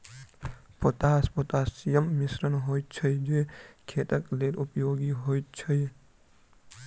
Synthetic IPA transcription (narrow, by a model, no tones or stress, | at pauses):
pət̪aːspɔt̪asijəmːɪsɾənɦojt͡ʃʰəjd͡ʒekʰet̪əkleɾʔupjoɡiɦojt͡ʃʰəj